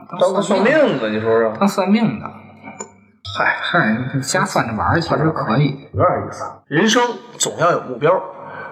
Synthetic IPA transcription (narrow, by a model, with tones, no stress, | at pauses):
t̪ɑ˥a˥˧swa˥˧mi˥˩ŋə˨ni˨˩ʂwɔ˥ə˨˩t̪ɑ˥ŋswa˥˧nmi˥˩ŋd̪ə̰˩ | xa˥˩xa˥˩ə˧˥n˥˩˥t͡ɕja˥fa˥˩nə˩wa̰˧˥e˥˧˩sʰwa˥˩ʂɻ̩˥˩kʰɤ˧˥i˨˩˦ɛ˧˥a˨˧˩ḭ˧˩fa˥˩ɻə˧˥nʂɤ˥ŋt͡sʊ˨˩ŋjɑ˥˩jo˨˩ʊmu˥˩pjɑ˥ʊ